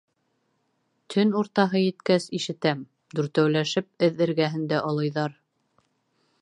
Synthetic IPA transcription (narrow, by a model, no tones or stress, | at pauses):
t̪ʰɵnuɾt̪ɑɦɤjɘ̆t̪kæsiʃɘ̆t̪æm | d̪ʉɾt̪æwlæʃɘp̚ɘðɘ̆ɾɡæɦɘ̆nd̪æʔolˠɤ̆jðɑɾ